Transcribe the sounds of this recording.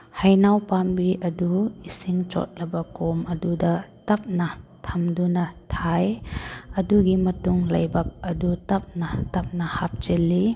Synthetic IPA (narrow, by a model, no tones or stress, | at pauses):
hajnawpambiʔɐduisiŋt͡ʃɔ̰t̚lɐbɐkomɐdudɐtɐp̚nɐtʰɐmdunɐtʰajɐduɡimɐtuŋlɐ̰jbɐk̚ɐdutɐp̚nɐtɐp̚nɐhap̚t͡ʃelːi